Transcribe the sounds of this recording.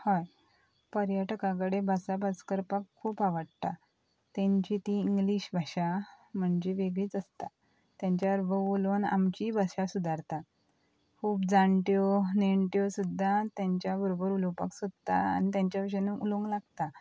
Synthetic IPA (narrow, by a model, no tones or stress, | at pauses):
haj | pəɾjəʈkãk̬əɽebʱasabʱad͡zkəɾpakʰːuːpaʋəɽt̪a | t̪ãɲt͡ɕit̪ĩiŋɡliɕbʱaɕam̤əɳd͡ʑeʋeɡɭiːt͡səst̪a | t̪jãɲt͡ɕjaɾbəʋolona̰mt͡ɕibʱaɕasud̪ʱaɾt̪a | kʰuːpd͡zaɳʈjoneɳʈjosud̪ʱːat̪jaɲt͡ɕjabəɾobəɾulopa̰ksod̪t̪a̰a̰nit̪jãɲt͡ɕjabʂenuʔulõŋɡlaɡt̪a